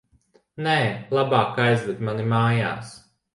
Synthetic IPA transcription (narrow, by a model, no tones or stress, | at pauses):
nɛːlˠabaːkajzvɛd̪ʲmanimaːja̰ːs